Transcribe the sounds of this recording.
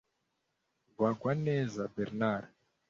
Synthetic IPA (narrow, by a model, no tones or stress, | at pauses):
vakwanɛzabɛɾnaɾa